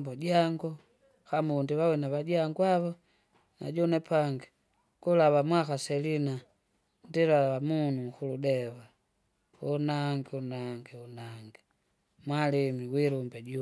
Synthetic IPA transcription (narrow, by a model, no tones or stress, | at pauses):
bɔɟaŋɡɔ | xamundiβawinaβaɟaŋɡwaβɔ | na̰ɟɔnɛpʰaŋɡi | kulaβamwaxaselina | ndilalaβamunuxuludɛβa | unaŋɡiunaŋɡiunaŋɡi | mwalimiwiɾumbɛɟu